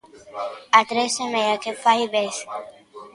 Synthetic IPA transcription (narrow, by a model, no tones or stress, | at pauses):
at̪ɾesemejakefajβes